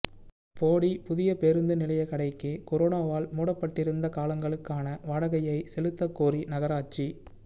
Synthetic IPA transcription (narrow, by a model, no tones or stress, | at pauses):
poːɽipʊðɪjɐpeɾɯnd̪ɯnɪlɐjɐkɐɽɐɪkːɯkɔɾoːnaːʋaːlmuːɽɐpːɐʈːɪɾɯnd̪ɐkaːlɐŋɡɐɭɯkːaːnɐʋaːɽɐɣɐjɐɪsɛlɯt̪ːɐkːoːrinɐɣɐɾaːt͡ʃːi